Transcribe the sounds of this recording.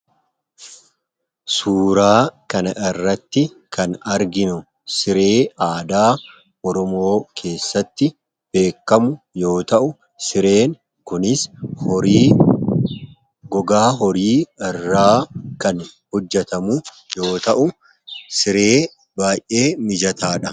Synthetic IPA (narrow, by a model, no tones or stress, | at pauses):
suːɾaːkɐnɐʔɪrːɐt̪ːɪ | kʰɐnɐɾɡɪnʊ | sɪɾe̞ːaːd̪aː | ɔɾɔmo̞ːkʰe̞ːsːɐt̪ːɪ | b̥e̞ːkːɐmʊ | jo̞ːt̪ɐʔʊ | sɪɾe̞ːn | kʊnɪs | ɡɔɡaːɦɔɾiːɪrːaːkɐnhɔd͡ʒːɐt̪ɐmʊ | jo̞ːt̪ɐʔʊ | sɪɾe̞ː | baːjʔe̞ːmɪd͡ʒɐt̪ʰaːᶑɐ